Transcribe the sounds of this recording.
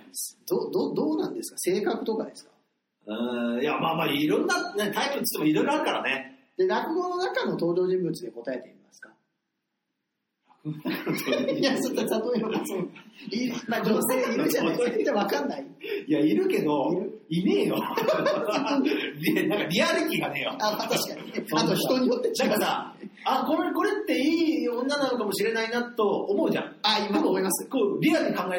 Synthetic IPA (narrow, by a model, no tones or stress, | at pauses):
sd̪̥oːd̪oːd̪o̞ːnãnd̪e̞sɨ̥kḁse̞ːkakɯ̟t̪o̞kad̪e̞sɨ̥kḁ | ɯ̃jamaːmaɾʲiːɾõnːanaɲit̪ait̪ɯt͡ɕi̥t̪ːemoiɾo̞jɾoaɾɯ̟kaɾaned̪̥e̞nakɯ̟ɡo̞no̞nakano̞t̪o̞ːd͡ʑo̞ːʑĩmbɯ̟t͡sɨd̪eko̞t̪ae̞t̪e̞imasɨ̥ka | nakɯo | jasot̪ːat̪at̪oionasoimad͡ʑose̞ːiɾɯaoet̪ːeβakanːaijaiɾɯ̟ke̞d̪o̞iɾɯimeːjo | inãŋkaɾʲiaɾʲit̪ʲiɡanejoaːmat̪aɕi̥kaɲineat̪oçit̪o̞ɲ̟ijot̪ːed̪akasa | akoɾeko̞ɾe̞t̪ːe̞iːõ̞nːanonokamo̞ɕiɾe̞nainat̪o̞omo̞ɯ̟ʑã̰aimat̪omoimasɨ̥koɾʲiaɾɯɲikãŋɡae